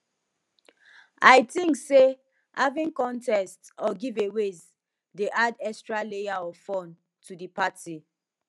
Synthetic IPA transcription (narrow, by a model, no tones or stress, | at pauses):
aɪtĩŋkse | havĩnkɔ̃ntɛstɔɡivewez | deʔadɛstɹalejaɔfɔ̃n | tʰudipati